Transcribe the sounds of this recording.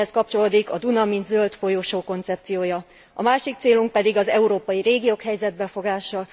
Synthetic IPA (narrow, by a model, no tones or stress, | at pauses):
ɛskɒp̚t͡ʃo̞loːd̪ikɒd̪unɒminzølt̪fo̞joːʃoːko̞nt̪sɛp̚t̪sijoːjɒ | ɒ̰maːʃik̚t̪seːluŋk̚pɛd̪iɡɒzɛuɾoːpɒjiɾeːɡijoːkɦɛjzɛd̪̚bɛfo̞ɡaːʃɒ